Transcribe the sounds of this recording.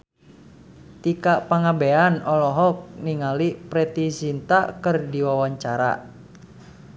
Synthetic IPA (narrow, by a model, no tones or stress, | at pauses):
t̪ikaʔpaŋabeanɔlɔɦɔk̚niŋalipɾɛt̪isint̪akɨrdiwawaɲt͡ʃaɾa̰